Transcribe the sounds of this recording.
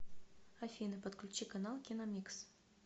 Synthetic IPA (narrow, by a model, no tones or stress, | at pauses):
ɐfʲinɨpət̪klʲt͡ɕikɐnɑlˠkʲinɐmʲiks